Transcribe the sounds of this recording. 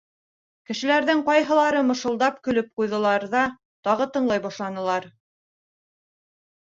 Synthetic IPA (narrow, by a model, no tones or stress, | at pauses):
kɘ̆ʃɘ̆læɾðɘŋqɑjɦɤ̆lˠɑɾɤmɤ̆ʃɤ̆lˠd̪ɑp̚kɵ̆lɵp̚qujðɤ̆lˠɑɾðɑ | t̪ɑʁɤt̪ɤ̆ɴlˠɑjbɑʃlˠɑnɤ̆lˠɑɾ